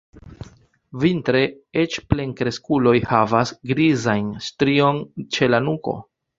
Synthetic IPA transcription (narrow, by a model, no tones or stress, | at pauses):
vintɾe̞ | e̞t͡ʃple̞ŋkɾe̞skulo̞jhavasɡɾizajnstɾio̞nt͡ʃe̞lanuko̞̰